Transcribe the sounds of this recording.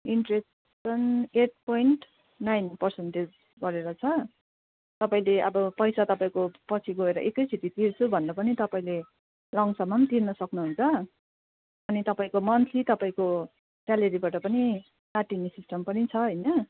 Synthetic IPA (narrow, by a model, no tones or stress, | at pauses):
iɳʈres | ʌneʈ̚poiɳʈ | najnpʌrsenʈed͡z | ɡʌɾeɾʌt͡sʰʌ | t̪ʌpaĩleʌbʌpʌjsat̪ʌpaĩkopʌt͡sʰiɡoeɾʌ̰ʔekʌjt͡sʰit̪it̪irt͡sʰubʱʌnɾʌpʌnit̪ʌpaĩle | lʌŋsʌmamt̪irnʌsʌknuɦunt͡sʰʌ | ʌnit̪ʌpaĩkomʌnt̪ʰit̪ʌpaĩko | salʌɾibaʈʌpʌni | naʈinesisʈʌmpʌnit͡sʰʌɦʌjnʌ